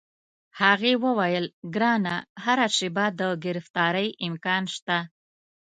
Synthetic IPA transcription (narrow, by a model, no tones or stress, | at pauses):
haɣewəwajəlɡɾɑnahaɾaʂɪbad̪əɡɪɾɪft̪ɑɾəjɪmkɑnʃt̪a